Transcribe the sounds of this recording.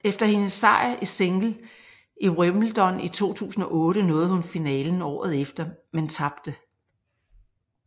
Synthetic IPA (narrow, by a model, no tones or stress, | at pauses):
efd̥ɐhe̝nəsɑ̈ɪ̰ʔise̝ŋɡ̥l̩ | iʁœml̩d̥ɒ̽nit͡sʰo̝̰ːt͡sʰṵːsn̩ɒ̽ʔɔ̽ːɾənɔ̽ːð̞̩ˠhunfinɛ̰ːln̩ɒ̰ːð̞̩ˠefd̥ɐment͡sʰɑ̈b̥̚d̥ə